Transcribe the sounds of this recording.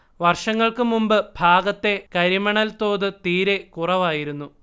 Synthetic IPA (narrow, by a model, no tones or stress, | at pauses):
ʋɐrʂɐŋːɐɭkɨmumbɨbʱaːɡɐt̪ːe̞kɐɾimɐɳɐlt̪o̞ːðɨt̪iːɾe̞kurɐʋaːjiɾunːu